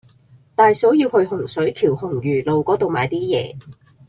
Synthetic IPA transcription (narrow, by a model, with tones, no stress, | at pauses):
t̪aː˨jso˨˥wjiː˧whɵ˧ɥhʊ˨˩ŋsɵ˨˥ɥjkʰiː˨˩whʊ˨˩ŋjyː˨˩lo˨wkɔː˨˥t̪o˨wmaː˨˧jt̪iː˥jɛ̰ː˨˧